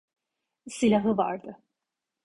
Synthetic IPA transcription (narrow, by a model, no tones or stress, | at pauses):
silʲaɦɯva̰ɾd̪ɯ